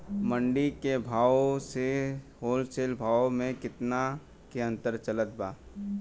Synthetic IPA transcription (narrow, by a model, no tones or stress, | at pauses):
mə̃ɳɖikebʱaːwseɦoːlseːlbʱaːwmẽkɪt̪na | keɐ̃nt̪əɾt͡ʃɐlət̪̚baː